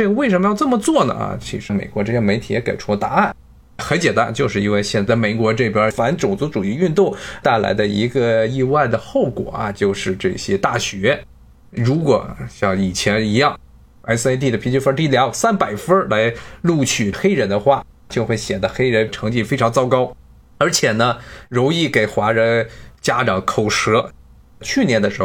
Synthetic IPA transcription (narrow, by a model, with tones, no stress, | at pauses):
ʈ͡ʂɤ˥˩ɡə˩we˥˩ɪʂ̬ə˧˥mə˧jɑ˥˧ʊʈ͡ʂɤ˥˩mə˩t͡swɔ˥˩nə̰˩ɐ̰˨˩t͡ɕʰḭ˧˥ʂɻ̩˧˥mḛ˨˩ɪkwɔ˧˥ʈ͡ʂɤ˥˩ɕjɛ˥me˧˥ɪt̪ʰi˨˩jɛ˧˥kḛ˨˩ɪʈ͡ʂʰu˥˧˩t̪a̰˧˥a˥˩n | xə˧˥nt͡ɕjɛ˨˩nt̪a̰˥nt͡ɕjo˥˧ʊʂɻ̩˥˧i˥nwe˥˧ɪɕjɛ˥˧nt͡sa˥˩ɪme˨˩ɪkwɔ˧˥ʈ͡ʂɤ˥˩pi˨˩ɑ˧˥fa˧˥nʈ͡ʂʊ˨˩ŋt͡su˧˥ʈ͡ʂu˨˩i˥˧y˥˧nt̪ʊ˥˩ŋt̪a˥˩ɪla̰˧˥ɪd̪ə˧i˧˥ɡə˧i˥˧wa˥˩ɪd̪ə˩xo˥˩ʊkwɔ̰˨˩˦ɐ̰˧˩t͡ɕjo˥˧ʊʂɻ̩˥˧ʈ͡ʂɤ˥˩ɕjɛ˥t̪a˥˩ɕɥɛ˧˥ | ɻu˧˥kwɔ˨˩ɕjɑ˥˩ŋi˨˩t͡ɕʰjɛ˧˥ni˧˥jɑ˥˩ŋ | a˧˥˩s̩˧e˥t̪̬i˥˩d̪ə˩pʰi˧˥nt͡ɕy˥˧fə˥t̪i˥˩ljɑ˧˥sa˥npa˨˩ɪfə˥lʔa˧˥ɪlu˥˧t͡ɕʰy˨˩xe˥ɪɻə˧˥nd̪ə˧xwa˥˩ | t͡ɕjʊxwe˥˩ɪɕjɛ˨˩d̪ə˦xe˥ɪɻə˧˥nʈ͡ʂʰɤ˧˥ŋt͡ɕi˥˩fe˥ɪʈ͡ʂʰŋt͡sɑ˥ʊkɑ˥ʊ | ə˞˧˥t͡ɕʰjɛ˨˩nə˦ɻʊ˧˥ŋi˥˩ke˨˩ɪxwa˧˥ɻə˧˥nt͡ɕja˥ʈ͡ʂɑ˨˩ŋkʰo˨˩ʊʂɤ˧˥ | t͡ɕʰy˥˧njɛ˧˥nd̪ə˧ʂɻ̩˧˥x